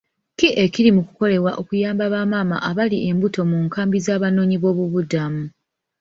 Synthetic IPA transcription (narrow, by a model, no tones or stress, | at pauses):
kiʔe̞ciɾimuku̥ko̞le̞βwaʔo̞kujaːmbaβaːmaːma̰ʔaβaliʔe̞mbuto̞muːŋkaːmbizaːβano̞ːɲiβo̞ːβuβudamu